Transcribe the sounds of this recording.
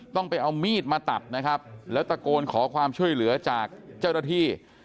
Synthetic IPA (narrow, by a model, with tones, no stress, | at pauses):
t̪ɔ˥˩ŋpa˧jʔa˧wmiː˥˩t̪̚maː˧t̪a˨˩p̪̚na˦˥kʰa˦˥p̚lɛː˦˥wt̪a˧koː˧nkʰɔː˩˦kʰwaː˧mt͡ɕʰu˥˩əjlɯ˩˦ɐt͡ɕaː˨˩k̚t͡ɕa˥˩wnaː˥˩t̪ʰiː˥˩